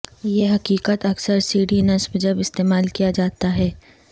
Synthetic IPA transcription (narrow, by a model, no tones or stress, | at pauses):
jeɦɐqiːkət̪ɐksəɾsiːɖinɐsbd͡ʒɐbɪst̪eːmaːlkijad͡ʒaːt̪aɦɛː